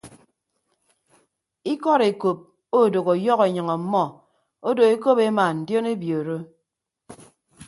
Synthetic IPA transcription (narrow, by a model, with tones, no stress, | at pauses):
i˦kɔ˦ɾe˨ko˨p̚ | o˦˨do˨ɣo˨jɔ˦ɣe˨ɲʌ˨ŋɔ˨˦mːɔ˦ | o˦do˨e˦ko˦pe˦ma˨n̩˨djo˦ne˦bjo˨ɾo˦